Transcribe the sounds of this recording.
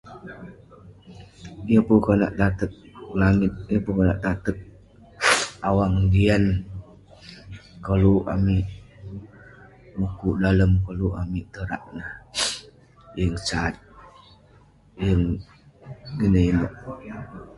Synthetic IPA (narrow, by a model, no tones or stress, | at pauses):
ijəpukəna̰ʔt̪at̪ək̚laŋɪt̪̚iəpukənaʔt̪at̪ək̚ | awaŋdian | kəluʔa̰miʔ | mukudaləmkəluʔamiʔt̪əɾaʔnəh | jəŋt͡ʃat̪̚ | jəŋ | ɡənəinɔʔ